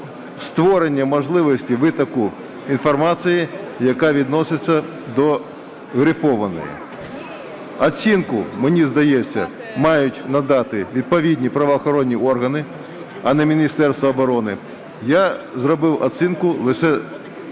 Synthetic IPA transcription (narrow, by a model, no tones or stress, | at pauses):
st̪ʋɔɾenʲːɐmɔʒlˠɪʋɔsʲtʲiʋɪt̪ɐkʊ | infɔrmɑt͡sʲɪji | jɐkaʋʲid̪nɔsʲɪt͡sʲːɐ | d̪ɔ | ɣɾɪfɔʋɐnɔ̰jḭ | ɐt͡sʲinkʊmenʲizd̪ɐjet͡sʲːɐ̰ | mɑjʊtʲnɐd̪ɑt̪ɪʋʲid̪̚pɔʋʲidʲnʲipɾɐʋɐːxɔɾɔnʲːiʔɔrɦɐnɪ | ɐnɛmʲinʲist̪ɛrst̪ʋɐːbɔɾɔnɪ | jazrɔbɪwɐsʲinkʊlˠɪʂɛ